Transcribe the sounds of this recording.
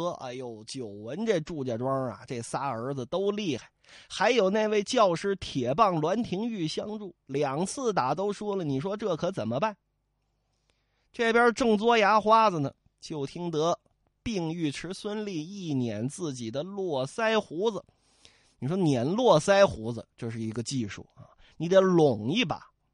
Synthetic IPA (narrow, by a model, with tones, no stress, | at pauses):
a̰˧jo˧˥ʊt͡ɕjo˨˩ʊwə˧˥nʈ͡ʂe˥˧ɪʈ͡ʂu˥˧t͡ɕja˧˩ʈ͡ʂwɑ˥˧ɐ̰˨˩ʈ͡ʂe˥˩sa˥ə˞˧˥d͡z̩˧t̪o˥ʊli˥˧xa˥˩ɪxa˧˥ɪjo˨˩ʊna˥˧ɪwe˥˧ɪt͡ɕjɑ˥˧ʊʂɻ̩˥˩t̪ʰjɛ˨˩pɑ˥˩ŋlwa˧˥nt̪ʰi˧˥ŋy˥˩ɕjɑ˥ŋʈ͡ʂu˥˩ljɑ˨˩ŋt͡sʰɹ̩˥˩t̪a˨˩t̪̬o˥ʊʂwɔ˥lə˨ni˨˩ʂ̬wɔ˥ʈ͡ʂɤ˥˩kʰɤ˧˥t͡sə˨˩nmə˦ba˥˩n | ʈ͡ʂɤ˥˩pjɐ˞˧˥ʈ͡ʂɤ˥˩ŋt͡swɔ˥ja˧˥xwa˥d͡zə˨nə̰˩ | t͡ɕjo˥˩ʊt̪ʰi˥ŋt̪ɤ˧˥ | pi˥˧ŋy˥˩ʈ͡ʂʰɻ̩˧˥swə˥nli˥˧i˥˩njɛ˧˥nt͡sɹ̩˥˩t͡ɕi˨˩d̪ə˦lwɔ˥˩sa˥ɪxu˧˥d͡z̩˨ | ni˨˩ʂ̬wɔ˥njɛ˧˥nlwɔ˥˩sa˥ɪxu˧˥d͡zə̰˧t͡ɕjo˥˧ʊʂ̬ɻ̩˥˩i˧˥ɡə˧t͡ɕi˥˧ʂṵ˥˩a̰˩ | ni˧˥d̪ə˨˩˥lʊ˨˩ŋi˥˩ba̰˨˩